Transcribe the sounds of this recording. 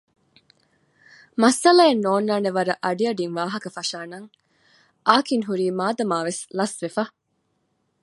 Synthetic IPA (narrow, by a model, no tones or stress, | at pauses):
mɐsɐlaenːoːnːaːneʋɐɾɐʔɐɖiɐɖiŋʋaːɦɐkɐfɐʃaːnɐŋ | ʔaːkiŋɦuɾiːmaːd̪ɐmaːʋeslɐsʋefɐ